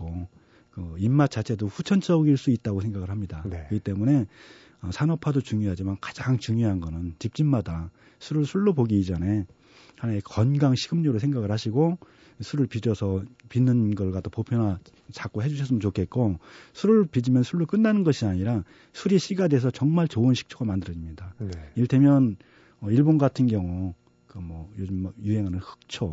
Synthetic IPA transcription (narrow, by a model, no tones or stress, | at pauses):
o | kɯimːat͡ɕ͈at͡ɕʰe̞doɸut͡ɕʰʌnt͡ɕ͈ʌɡiɭs͈uit̚t͈aɡos̬ʰe̞ŋɡaɣɯɭɦamɲidakɯɡit͈e̞mune̞ | ʌsʰanʌpʰadot͡ɕuŋjoɦad͡ʑimankḁd͡ʑaŋt͡ɕuŋjoɦanɡʌnɯnt͡ɕip̚t͡ɕ͈imːada | sʰuɾɯɭsʰuɭːopoɡiːd͡ʑʌne̞ | hanaekʌnɡaŋɕʰiɡɯmɲʌɾosʰeŋɡaɡɯɭhaɕʰiɡo | sʰuɾɯɭpid͡ʑʌsʰʌpinːɯnɡʌɭɡatʰopopʰjona | t͡ɕak͈oɦed͡ʑuɕʰʌs͈ɯmənt͡ɕokʰe̞t̚k͈osʰuɾɯɭpid͡ʑimjʌnsʰuɭːok͈ɯnːanɯnɡʌɕʰiaɲiɾa | sʰuɾiɕʰiɡade̞sʰʌt͡ɕʌŋmaɭt͡ɕoɯnɕʰi̥k̚t͡ɕʰoɡamandɯɾʌd͡ʑimɲidaniɭtʰemjʌn | ʌiɭbonɡatʰɯnɡjʌŋu | kmʌjod͡ʑɯmːjuɦe̞ŋɦanɯnhɯ̥k̚t͡ɕʰo